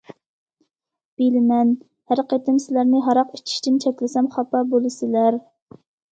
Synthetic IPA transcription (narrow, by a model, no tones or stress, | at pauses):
b̥elɪmɛn | hæɾqet̪ɪmsɪlæɾnɪɦɑɾɑqit͡ʃʰi̥ʃt̪ɪnt͡ʃʰɛkʲlɪsɛmχɑpɑbolˠɨsɪlæɾ